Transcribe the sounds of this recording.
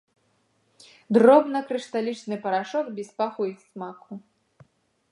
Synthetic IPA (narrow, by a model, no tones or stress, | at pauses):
d̪rɔbnɐkɾɨʂt̪alʲit͡ʂnɨpɐɾaʂɔkbʲispaxuixsmaxu